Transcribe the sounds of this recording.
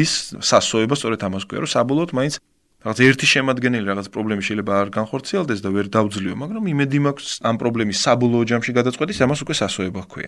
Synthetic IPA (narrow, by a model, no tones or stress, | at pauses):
isːasɔɛbast̪sʼɔɾɛt̪ʰamaskʰwḭa̰ɾɔsabɔlˠɔːt̪ʰmaint̪sʰ | ɾaʁat̪sʰaɛɾt̪ʰiʃɛmad̪ɡɛnɛliɾaʁat̪sʰpʼɾɔblɛmiʃɛilɛbaːɾɡanχɔɾt̪sʰiɛlˠd̪ɛsd̪avɛɾd̪avd̪zliɔmaɡɾamimɛd̪imakʷʰsampʼɾɔblɛmisːabɔlˠɔːd͡ʒamʃiɡad̪at̪sʼwɛt̪ʼisamasukʼwɛsasɔɛbakʰwḭa̰